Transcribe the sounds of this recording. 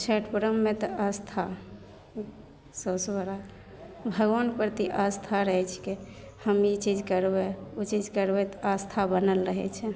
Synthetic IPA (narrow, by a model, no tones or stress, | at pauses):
t͡ʃʰəʈʰpɾəmːet̪əast̪ʰa | sosbəɾa | bʱəɡʋanpɾət̪iʔast̪ʰaɾəɦɛt͡ʃʰke | həmit͡ʃid͡ʒkəɾbɛut͡ʃid͡ʒʱkəɾbɛt̪ast̪ʰabənəlɾəɦɛ̰t͡ʃʰɛ